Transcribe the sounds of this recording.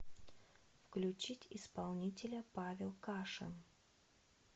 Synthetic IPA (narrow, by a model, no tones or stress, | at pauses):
fklʲʉt͡ɕitʲɪspalˠnʲitʲɪlʲəpavʲɪlˠkaʂɨ̰n